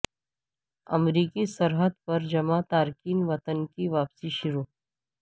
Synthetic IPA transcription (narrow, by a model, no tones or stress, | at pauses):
ɐ̰mɾiːkisəɾɦəd̪̚pɐɾd͡ʒɐmat̪aːɾkiːnʋɐt̪ənkiʋaːpsiʃʊɾuː